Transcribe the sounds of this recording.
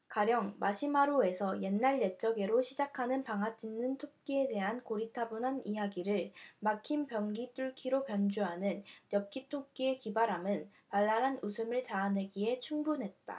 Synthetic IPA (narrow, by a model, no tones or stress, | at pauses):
kaɾjʌŋmaɕʰimaɾoe̞sʰʌje̞nːaɭjet͡ɕ͈ʌɡe̞ɾoɕʰid͡ʑakʰanɯnpaŋɦat͡ɕ͈inːɯntʰok̚k͈ie̞de̞ɦankoɾitʰabonɦanijaɡiɾɯɭmakʰimpjʌŋɡit͈uɭkʰiɾopjʌnd͡ʑuɦanɯnjʌp̚k͈itʰok͈ie̞kibaɾamɯn | paɭːaɾanusʰɯmɯɭt͡ɕaːne̞ɡiɦe̞t͡ɕʰuŋbunɦe̞t̚t͈a̰